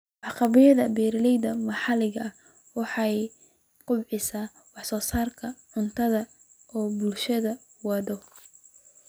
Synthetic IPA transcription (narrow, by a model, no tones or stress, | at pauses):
ʕɑqɑβɪjɐðɐbɛːɾɐlɛjðɐmɑħɑlɪɣɐɐ | wɑħɑj | qʰʊbʕɪsaː | wɑħsɔːsaːrkʰɐʕʊnt̪ʰɐðɐ | ɔːbʊlʃɐðɐ | wɑðɔ